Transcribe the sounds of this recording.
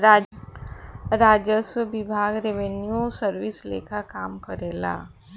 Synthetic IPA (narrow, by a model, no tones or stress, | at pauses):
a | ɾaːd͡ʒəswəbɪbʱaːɡɾeʋenjusəɾʋɪslḛːkʰakaːmkəɾeːla̰ː